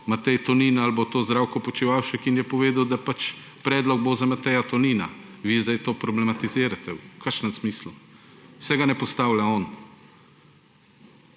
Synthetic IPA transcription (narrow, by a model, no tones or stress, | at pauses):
mat̪ɛjt̪ɔniːnaalbat̪oːzd̪ɾaːwkɔpɔt͡ʃiʋaːwʃɛkinjɛpɔʋeːd̪awd̪apat͡ʃ | pɾɛːd̪lɔɡ̚bozamat̪ɛjat̪ɔniːnaʋiːzd̪ajt̪oːpɾɔblɛmat̪iziːɾat̪ɛwkʰaɾʃnɛmsmiːslusɛɡanɛpɔst̪aːwlʲaɔːn